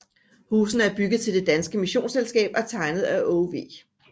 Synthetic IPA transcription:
huːsn̩əæɐb̥yɡ̥ð̩ˠt͡sʰe̝ld̥e̝d̥ænsɡ̥əmiɕo̝̰ːnselsɡ̥ɛ̰ːb̥æɐt͡sʰɑ̈ɪnəð̞̩ˠæʔɔʋe̝̰ː

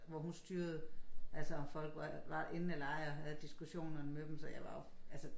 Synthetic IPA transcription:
ʋɒɦunsd̥yːɐð̞̩ˠʔælsəɒ̽mfɒ̽l̰ɡ̥ʋɑʋɑ̈ʔe̝nn̩ælɑ̈ɪɒhæð̞̩ˠd̥isɡ̥uɕo̝̰ːnɐnəmed̥emsɒ̽jɑ̈ɪʋɑ̈jo̝ælsə

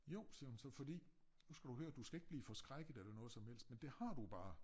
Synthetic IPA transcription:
jo̰ʊ̰siɐhunsɒ̽fɒ̽d̥ḭː | nusɡ̥æd̥ɾuhøːɐd̥usɡ̥æe̝ɡ̥̚b̥liːfɒ̽sɡ̥ʁaɡ̥ð̩ˠæɾenɔ̽ðˠsɒ̽mhel̰sd̥mend̥e̝hɑ̈d̥ub̥ɑ̈ː

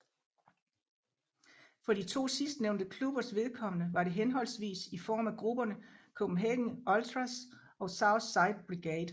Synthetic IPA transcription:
fɒ̽ɾit͡sʰo̝̰ːsisd̥neʊnd̥əkʰlub̥ɐsʋe̝ð̞ˠkʰɒ̽m̰ənəʋɑ̈ɾe̝ɦenɦɒ̽l̰sʋḭːsifɒ̰ːmæɡ̥ʁub̥ɐnəkʰob̥m̩ɦɛ̰ːɡ̥ŋ̩ɒlt͡sʰʁas | ɒ̽sɑ̈ʊsɑ̈ɪd̥̚b̥ʁiɡ̥ɛːd̥

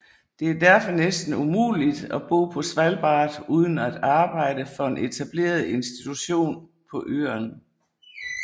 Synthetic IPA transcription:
d̥e̝æɐd̥æɐfɒ̽nesd̥n̩umṵːlid̥æb̥o̰ːpʰɒ̽sʋælb̥ɑ̰̈ːd̥uːð̞ˠn̩æd̥ɑ̈ːb̥ɑ̈ɪ̰dəfɒ̽e̝nʔe̝t͡sʰæb̥le̝̰ːɐð̞ˠe̝nsd̥it͡sʰuɕo̝̰ːn | pʰɒ̽ʔø̰ːɐn

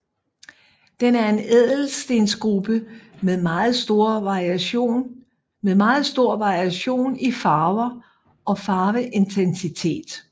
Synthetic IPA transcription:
d̥enæɐe̝nɛð̰ˠl̩sd̥e̝nsɡ̥ʁub̥əmeðˠmɑ̈ːð̩ˠsd̥o̝ɐ̰ʋɑ̈ʁiæɕo̝̰ːn | meðˠmɑ̈ːð̞̩ˠsd̥o̝ɐ̰ʋɑ̈iæɕo̝̰ːnifɑ̈ːʊɐ | ɒ̽fɑ̈ːʋəʔe̝nt͡sʰensit͡sʰe̝̰ːd̥

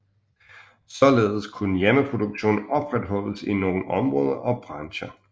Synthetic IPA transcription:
sɒ̽le̝ːðˠskʰunəjeməpʰʁo̝d̥uɡ̥ɕo̝̰ːn̩ɒ̽b̥ʁad̥ɦɒ̽l̰əsino̝ːn̩ɒ̽mʁɔːð̞ˠɐʔɒ̽b̥ʁɑ̈nɕɐ

